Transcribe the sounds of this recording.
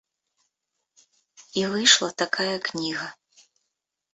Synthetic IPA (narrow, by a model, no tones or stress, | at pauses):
ivɨjʂlˠɐt̪akʰajɐknʲiɣɐ